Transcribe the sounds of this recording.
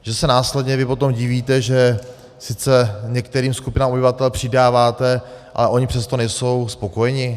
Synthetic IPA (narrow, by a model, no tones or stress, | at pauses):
ʒ̥ɛsɛnaːslɛdɲɛvɪpo̞t̪o̞mɟɪviːt̪ɛʒɛ | sɪt͡sɛɲɛkt̪ɛɾiːmskupɪnaːmobɪvat̪ɛlpr̝̥ɪdaːvaːt̪ɛʔa̰lɛʔo̞ɲɪpr̥ɛst̪o̞nɛjso̞wspo̞kojɛɲɪ